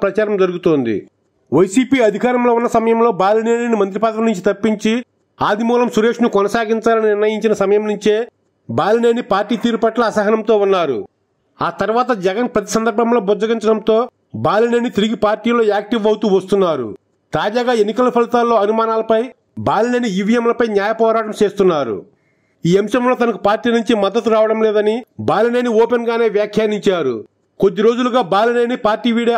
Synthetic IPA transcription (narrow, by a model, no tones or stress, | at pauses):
pɾɐt͡ʃaːɾɐmd͡ʒɐɾuɡut̪oːnd̪ḭ | ʋɐjsiːpiːɐd̪ʱikaːɾɐmlo̞ːunːɐsɐmɐjɐmlo̞ːbaːlineːnenimɐnt̪̬ɾipaːd̪ɐɐmnuɲt͡ʃit̪ɐpːiɲt͡ʃi | aːd̪imuːlɐmsuɾe̞ːʂnukɔnɐsaːɡiɲt͡ʃaːlɐninɪɾnɐjiɲt͡ʃinɐsɐmɐjɐmnuɲt͡ʃeː | baːlineːnipaːɾʈiːt̪iːɾupɐʈlɐːsɐɦɐnɐmt̪o̞ːunːaːɾṵ | aːt̪ɐɾʋaːt̪ɐd͡ʒɛɡɐnpɾɐt̪i̥sɐnd̪ɐɾbʱɐmlo̞ːbud͡ʒɐɡiɲt͡ʃɐɽɐmt̪o̞ː | baːlɐneːnit̪iɾiɡipaːɾʈiːlo̞ːaːk̚ʈiʋɐwt̪uːʋɐst̪unːaːɾṵ | t̪aːd͡ʒaːɡaːe̞nːikɐlɐpʰɐlit̪aːlːo̞ːɐnumaːnaːlɐpɐj | baːlɐneːnijiʋijɐmlɐpɐjnjaːjɐpɔːɾaːʈɐmt͡ʃe̞ːst̪unːaːɾṵ | iːɐmʃɐmlo̞ːt̪ɐnɐkupaːɾʈiːnuɲt͡ʃimɐd̪ːɐt̪ːuɾaːʋɐɽɐmleːd̪ɐnibaːlɐneːnioːpenɡaːne̞ːʋjaːkʰjaːniɲt͡ʃaːɾṵ | kod̪ːiɾo̞ːd͡ʒuluɡaːbaːlɐneːnipaːɾʈiːʋiːɽ